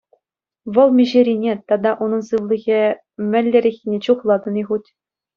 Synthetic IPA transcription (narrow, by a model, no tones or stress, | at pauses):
ʋɤ̆lˠmʲiʑeɾʲinʲet̪ɑd̪ɑʔunɤ̆nsɯʋlʲˠĭɣʲe | mʲɘ̆lʲːɘ̆ɾʲĕxʲinʲet͡ɕuχlˠɑd̪ɤ̆niʁutʲ